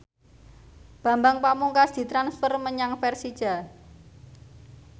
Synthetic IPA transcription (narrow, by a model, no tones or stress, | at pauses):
b̥ä̤mbaŋpamuŋkasd̪̥i̤t̪ɾansfərməɲaŋfɛrsid̥ʒ̥a̤